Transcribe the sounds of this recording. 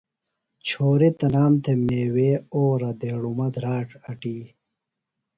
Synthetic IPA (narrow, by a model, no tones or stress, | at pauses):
t͡ɕʰoːɾit̪ɐnaːmt̪ʰemeːweːoːɾɐd̪eːɽumɐd̪ɾaːʈɐʈiː